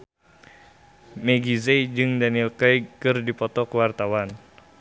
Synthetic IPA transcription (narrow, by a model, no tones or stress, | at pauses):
mɛɡizejd͡ʒɨŋdanilkajkɨrdipɔt̪ɔkəwart̪awan